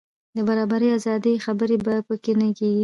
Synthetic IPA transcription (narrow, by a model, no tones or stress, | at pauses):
d̪əbaɾɑbaɾəjazɑd̪əjxabəɾebapəkenəkeɡi